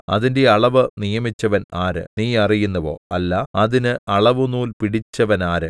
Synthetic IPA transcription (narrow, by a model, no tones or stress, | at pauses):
ɐ̰ðinde̞ɐɭɐʋɨnijɐmit͡ɕːɐʋɐnaːɾɨ̰niːɐrijunːɐʋo̞̰ːɐlːɐɐðinɨɐɭɐʋunuːlpiɽit͡ɕːɐʋɐnaːɾɨ